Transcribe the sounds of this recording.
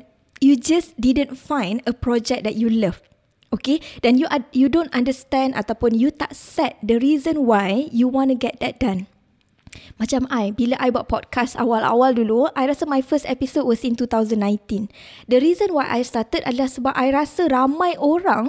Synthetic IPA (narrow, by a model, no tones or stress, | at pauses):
jud͡ʒasdidə̃nfãjnəpɹɔd͡ʒɛk̚dɛt̚juləf | okedɛ̃njuʔjudõntãndəst̪ɛ̃nda̰t̪awpʊ̃njut̪atsɛt̪̚dəɹizə̃nwajjuwɔ̃nuɡɛt̚d̪ɛt̚d̥ãn | mãt͡ʃamajbilaʔajbat̚pɔd̚kʰasa̰wala̰walduluajɾasəmajfəstɛpisod̚wɔsĩnt̪ut̪awzə̃nːãj̃nt̪ĩn | dəɾizə̃nwajʔa̰jst̪at̪ət̚adəlahsəbapʔajɾasəɾamãjʔoɾãŋ